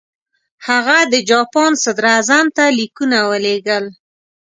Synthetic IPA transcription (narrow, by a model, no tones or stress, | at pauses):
haɣad̪əd͡ʒɑpɑnsad̪ɾazamt̪alikunawəleɡəl